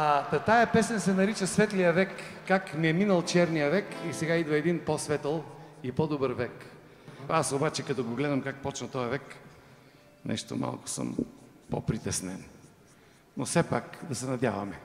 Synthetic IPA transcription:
t̪ɐt̪ajɐpɛsɛnsɛnɐɾit͡ʃəsvɛt̪lijɐvɛkːakmiɛminəlˠt͡ʃɛɾnijəvɛkisɛɡaid̪vɐɛd̪inposvɛt̪əlˠipod̪obəɾvɛk | asobat͡ʃɛkɐt̪ɔɡoɡlɛd̪ɐmkak̚pɔt͡ʃnɐt̪ɔjɐvɛk | nʔɛ̰ʃt̪o̰ma̰lˠkʊ̥sə̰m | po̰pɾit̪ɛsnɛn | nofsɛpakd̪ɐsɛnɐd̪javɐmɛ

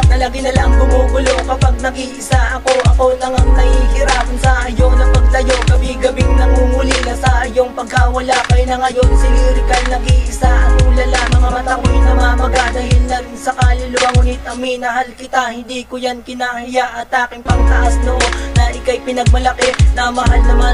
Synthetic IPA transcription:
nɐlɐɡɪnɐlaŋbʊŋuːɡʊlo̞kɐpaɡ̚nɐɡiʔɪsaʔɐko̞ʔɐko̞nɐŋɐŋnɐhihɪɾapnsɐʔɐjonɐpɐɡ̚lɐjo̞ɡɐbiɡɐbɪŋnɐŋuːŋʊlinɐsɐʔɐjoŋpɐɡ̚awɐlakɐjnɐŋɐjo̞nsɪliɾɪkɐlnɐɡiʔɪsaʔɐkolɐlamɐŋamɐt̪ɐkojnɐmamɐɡad̪ɐhɪlnɐnsɐkaːlɪlʊwaŋʊnɪɐminɐɦalkɪt̪ahɪnd̪ikʊjankɪnaːhɪjaʔɐt̪ʔaːkɪŋpɐŋt̪ɐʔasnoʔo̞nɐʔɪkajpɪnɐɡ̚mɐlɐkɛnɐmɐɦalnɐma

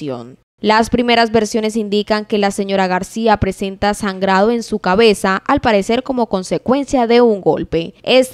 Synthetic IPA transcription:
o̞̰n | laspɾime̞ɾazβe̞ɾsjo̞ne̞s̬ind̪ikaŋke̞lase̞ɲo̞ɾaɣaɾsiapɾe̞se̞nt̪asaŋɡɾaðo̞e̞nsukaβe̞saʔalpaɾe̞se̞ɾko̞mo̞ko̞nse̞kwe̞nsjaðe̞uŋɡo̞̰lpe̞es

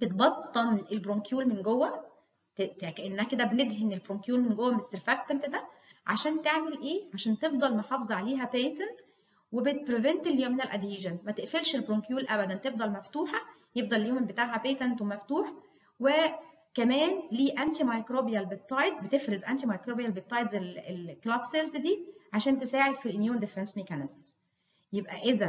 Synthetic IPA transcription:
b̥et̪̚bɑt̪ˤːɑnelbɾoŋkjuːlmenɡowːæ | t̪t̪ekæʔenːæhæked̪æbened̪ɦenelbɾoŋkjuːlmenɡowːæmest̪eɾfæq̚t̪ænt̪d̪æʕa̰ʃæːnt̪eʕmelʔeːʕaʃæːnt̪efd̪ˤɑlmeħɑfezˤʕaleːɦæpeːt̪ænt̪ | webet̪̚pɾevent̪eljoːmːɪnælʔæd̪jiːʒænmæt̪eʔfelʃelbɾoŋkjuːlʔæbæd̪ænt̪efd̪ˤɑlmæft̪uːħæjefd̪ɑleljoːmbet̪aʕɦæpeːt̪ænt̪wemæft̪uːħ | we | kæmæːnliːʔænt̪imɑjkɾobijælbet̪ːˤɑjd̪zbet̪efɾezʔænt̪imɑjkɾoːbijælbet̪ˤːɑjd̪zelelklɑkselzd̪iːʕaʃæːnt̪esaːʕed̪filʔemjuːnd̪ɪfɾensmekænɪzmz̥ | jebʔæʔezæ

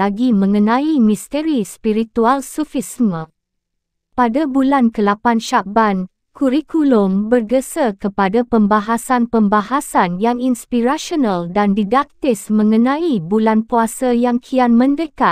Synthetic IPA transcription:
laɡimə̃ŋənãimist̪eɾispiɾit̪ualsufismə̃ | padabulankəlapanʃaban | kuɾikulombərɡəsakəpadapəmbaɦasanpəmbaɦasanjaŋinspiɾaʃonaldandidak̚t̪ɪsmə̃ŋənãibulanpuasajaŋkʰianmə̃ndəkat̪̚

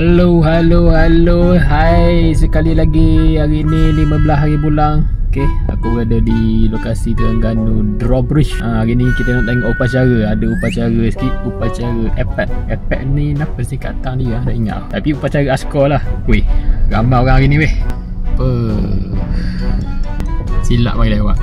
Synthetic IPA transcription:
haloɦaloɦaloɦajsəkalilaɡiaɾiniliməbəlasaɾibulaŋoke | a̰kubəadədilokasit̪aŋɡanudrɔbɾiʃʔaaɣinikit̪ənɔʔdaʔiŋaʔupat͡ʃaɾəadəupat͡ʃaɣəsə̥kiupat͡ʃaɾəʔɛpɛʔ̚ɛpɛ̰ʔninaʔpəsnika̰t̪aŋdiəahdaʔiŋa̰ʔt̪apiupat͡ʃaɾəaskɔlahweɣamaoɣãŋaɾinĩwɛh | pə | sila̰ʔmaɡilewaʔ

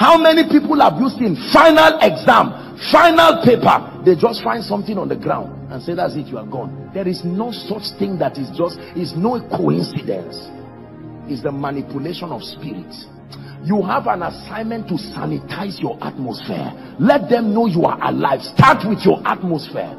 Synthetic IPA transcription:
haʊmɛnipiplˠavjustĩnfãɪnalɛɡzãm | fãɪnalˠpepə̰ | ðed͡ʒɔstfãɪ̃nd̥sɔ̃mθɪ̃ŋɔ̃ndəɡɹã̰ʊ̃nd | ãnseðatsitjuaɡɔ̃ndɛɹiznosɔt͡ʃθɪ̃ŋdatisd͡ʒɔst | isnoekʰoḭ̃nsidɛ̰̃ns | itsðəmanipuleʃɔ̃nɔv̥spiɹḭts | juɦavãnasãɪ̃nmɛ̃ntːusa̰nitʰaɪzjɔʔa̰t̚mɔsfɛ̰ | lɛt̚d̪ɛ̃mnojua̰ʔa̰la̰ɪv̥stʰatwiθjɔʔat̚mosfɛ̰ɹ

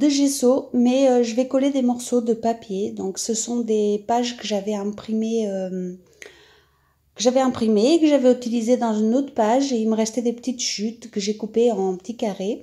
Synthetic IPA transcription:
d̪əʒesomɛøʒəvɛkɔled̪emɔʁsod̪əpapjed̪ɔ̃ksəsɔ̃d̪epaʒkəʒavɛɛ̃pχimeø | kəʒavɛɛ̃pχimeːkəʒavɛyt̪ilized̪ɑ̃zynot̪χpaʒeilməʁɛst̪ɛd̪epə̥t̪it̪ʃyt̪kəʒekupeɑ̃pət̪ikaʁe

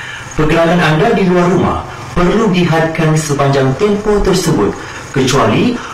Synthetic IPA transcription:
pəɡəɾaŋanandadiluarːumã̰h | pərluɡiɦat̪̚kansəpaɲd͡ʒaŋt̪ɛmpot̪ərsəbʊt̪̚ | kət͡ʃuali

